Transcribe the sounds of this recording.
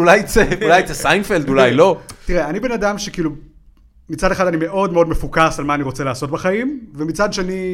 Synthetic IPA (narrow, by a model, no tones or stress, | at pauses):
ulajt͡seulajt͡sesajnfeld̪ulajlo̞t̪iʁeanibe̞nadamʃekiːlu | mit͡sade̞χad̪anime̞ʔo̞dmeo̞d̪me̞fukasalmaːniʁot͡selaːso̞tbaχaimvemit͡sad̪ʃeani